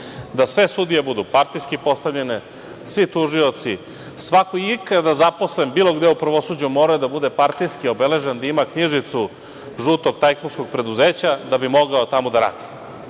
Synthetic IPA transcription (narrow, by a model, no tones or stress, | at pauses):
d̪asʋe̞sud̪ijebud̪upaɾt̪ijskipo̞st̪avʎene | sʋit̪uʒio̞t̪si | sʋakoiikad̪azapo̞slembiːlˠo̞ɡd̪eupɾʋo̞sud͡ʑumo̞ɾajud̪abud̪e̞paɾt̪ijskio̞bele̞ʒend̪aimakɲiʒit̪su | ʒuːt̪oɡt̪ajkonsko̞ɡ̚pɾe̞d̪uzeːt͡ɕad̪abimo̞ɡaot̪amod̪aɾa̰ːd̪̥i̥